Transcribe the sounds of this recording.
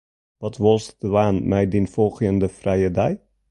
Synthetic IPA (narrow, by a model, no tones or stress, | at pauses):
ʋɑtʋɔlˠsdʋaːnmɛjdinfɔlˠχɪəndəfrɛjədaj